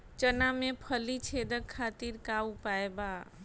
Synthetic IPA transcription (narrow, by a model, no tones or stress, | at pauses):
t͡ʃənamẽpʰəlit͡ʃʰed̪əkʰːat̪iɾkaupaeba